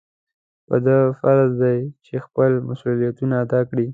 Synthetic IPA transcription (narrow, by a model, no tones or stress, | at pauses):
pəd̪əfaɾld̪ajt͡ʃexpəlmasulijat̪unaːd̪ɑkɽi